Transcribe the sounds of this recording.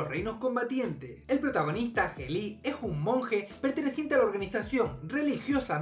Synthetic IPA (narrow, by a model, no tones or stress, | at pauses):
ore̞jno̞sko̞mbat̪je̞nt̪e̞selpɾo̞t̪aɣ̞o̞nist̪axe̞lie̞suŋmõ̞ŋxe̞pe̞ɾt̪e̞neθje̞nt̪e̞alao̞ɾɣanisasjõ̞ŋre̞lixjo̞sa